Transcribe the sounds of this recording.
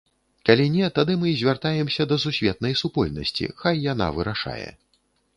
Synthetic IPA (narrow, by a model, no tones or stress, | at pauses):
kalʲinʲɛt̪ad̪ɨmɨzʲvʲart̪ajɛmsʲɐd̪ɐsusʲvʲɛt̪̚nɐjsupɔlʲnɐ̰sʲt͡sʲḭxajːana̰vɨɾaʂa̰jɛ̰